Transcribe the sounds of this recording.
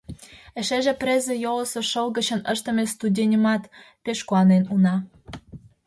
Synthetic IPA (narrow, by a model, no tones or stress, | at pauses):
ĕʃeʒĕprʲezĕjolɤ̆soʃɤlɣə̆t͡ɕə̆nə̆ʃt̪ə̆mest̪udʲenʲə̆mɑt̪ | peʃkuɑnenunɑ